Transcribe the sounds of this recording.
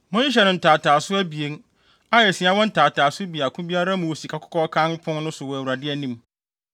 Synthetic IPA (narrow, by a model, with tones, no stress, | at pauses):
mʊ̃˦ĩ˦ɕ̬ɛ˨nʊ̃˨n̩˨tʰaː˨tʰaː˨sʊ˦æ˦bi˨e˨˦n | a˦jɛ˨sĩ˨˦a˦wɔ̃˦n̩˦taː˨tʰaː˨sʊ˦bi˨a˨kʰʊ̃˦bi˦a˦ɾa˦mũ˨wo˨si˨kʰa˨kʰʊ̥˦kʰɔ˦kʰã˦npʰʊ̃˦n˦nʊ̃˦sʊ˨wɔ˨æ˨wu˨ɾa˨dɪ˦ɛ˨nĩ˦m